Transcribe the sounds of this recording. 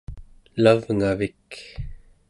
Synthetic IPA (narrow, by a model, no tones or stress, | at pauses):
lavŋavik